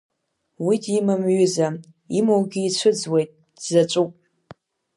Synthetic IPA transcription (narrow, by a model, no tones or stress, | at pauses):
widimɨmɥʏza | imowɡʲɪːt͡ɕʷʰɨd͡zwe̞jtʼ | zɐt͡ʃʷʼupʼ